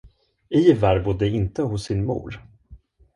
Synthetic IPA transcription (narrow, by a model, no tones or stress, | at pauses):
ivæɾbʊd̪əɪnt̪əhʊsːɪnmṵːɾ